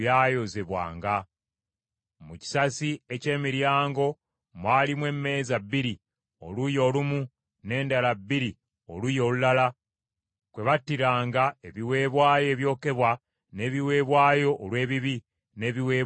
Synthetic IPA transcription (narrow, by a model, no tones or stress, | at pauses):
jaːjo̞ze̞βwa̰ːŋɡa | muci̥sasiece̞ːmiɾjaːŋɡo̞ | mwaːlimwe̞mːe̞ːzabːiɾi | o̞̰lujo̞ːlumu | ne̞ːndalabːiɾi | o̞lujo̞ːlulala | kwe̞βatːiɾaːŋɡae̞βiwe̞ːβwaːje̞ːβjo̞ːke̞βwa | ne̞ːβiwe̞ːβwaːjo̞ʔːlwe̞ːβiβi | ne̞ːβiweː